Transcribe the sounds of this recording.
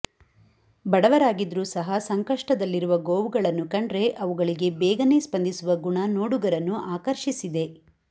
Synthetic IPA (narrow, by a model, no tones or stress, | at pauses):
bɐɽɐʋɐɾaːɡid̪ɾuːsɐɦɐsɐŋkɐʂʈɐd̪ɐlːiɾuʋɐɡoːʋuɡɐɭɐnːukɐɳɖɾe̞ʔɐʋuɡɐɭiɡe̞bɛːɡɐne̞ːspɐnd̪isuʋɐɡuɳanoːɽuɡɐɾɐnːuʔaːkɐɾʃisid̪e̞